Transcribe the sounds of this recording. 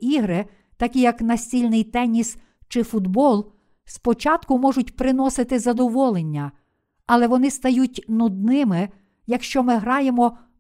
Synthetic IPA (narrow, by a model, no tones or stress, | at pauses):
iɦɾɪ | t̪ɐkʲijɐknɐsʲt͡sʲilʲnɪjt̪ɛnʲis | t͡ʃɪfʊd̪bɔlˠ | spɔt͡ʃɑt̪kʊmɔʐʊtʲpɾɪnɔsɪt̪ɪzɐd̪ɔʋɔlˠenʲːɐ | ɐlˠɛʋɔnɪst̪ɐjutʲnʊd̪̚nɪmɪ | jɐkʃt͡ʃɔmɪɦɾɑjemɔ